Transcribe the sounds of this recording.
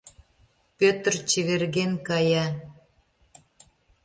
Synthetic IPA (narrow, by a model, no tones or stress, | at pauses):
pʲøt̪ərt͡ɕiβerɣenkɑjɑ